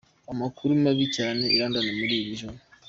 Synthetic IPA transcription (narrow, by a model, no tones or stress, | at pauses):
amakʰuɾumeβicaːneiɾaːndanamuɾiβiʒona